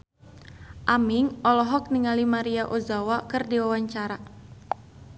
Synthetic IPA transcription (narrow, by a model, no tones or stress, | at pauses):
ʔamiŋɔlɔɦɔk̚niŋalimaɾiaʔozawakɨrdiwawaɲt͡ʃaɾa